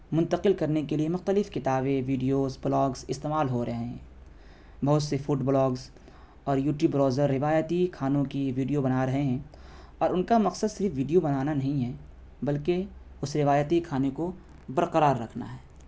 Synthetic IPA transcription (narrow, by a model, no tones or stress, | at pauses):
mʊ̃nt̪əqɪlkɐɾnekeliemʊxt̪əlɪfkɪt̪aːbeʋiːɖijoːzblɔːɡzɪst̪eːmaːlɦoɾɐɦeɛ̃ | bɐɦʊt̪sefʊʈblɔːɡz | ɔːɾjuːʈjuːbɾɔːzəɾːɪʋaːjət̪ikʰaːnõkiʋiːɖijobɐnaɾɐɦeɦɛ̃ː | ɔːɾʊnkamɐqsəd̪sɪɾfʋiːɖijobɐnaːnanɐɦĩɦɛ | bɐlke | ʊsɾɪʋaːjət̪ikʰaːneko | bɐɾqəɾaːɾːɐkʰna̰ɦɛː